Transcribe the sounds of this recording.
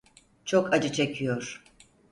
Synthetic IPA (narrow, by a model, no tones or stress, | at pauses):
t͡ʃʰokʰad͡ʒɯt͡ʃʰekʰijoɾ̥